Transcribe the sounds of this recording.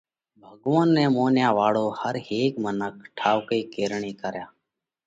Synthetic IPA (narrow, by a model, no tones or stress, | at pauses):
bʱəɠʋaːnːɛ̃ːmoːnjãːʋaːɭoːhəɾɦeːkmənək̚ʰʈʰaːʋkeːkeːɾɳiːkəɾjaː